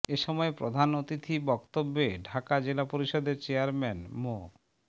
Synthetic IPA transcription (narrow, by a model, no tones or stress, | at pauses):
eʃɔmɔepɾod̪ʱanot̪it̪ʰibɔkt̪obːeɖʱakad͡ʑelapoɾiʃɔd̪eɾt͡ɕeaɾmɛnmo